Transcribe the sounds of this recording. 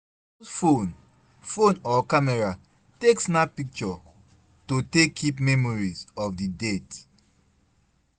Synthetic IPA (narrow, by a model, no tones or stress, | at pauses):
fon | fõnɔkamɛɹa | teksnapik̚t͡ʃɔ | totekʰːipmɛmɔɹizɔfdidet